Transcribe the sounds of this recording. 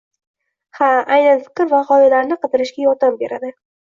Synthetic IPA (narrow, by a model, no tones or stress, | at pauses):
haajnanfɨ̥qɨɾvaχɒjɪlaɾnɪqɨt̪ɪɾɪʃɡʲajɒt̪ambe̞ɾad̪ɪ